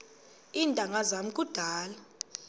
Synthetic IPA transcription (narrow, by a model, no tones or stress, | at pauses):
intʼaŋɡʱazam̩kʼud̥ʱaːla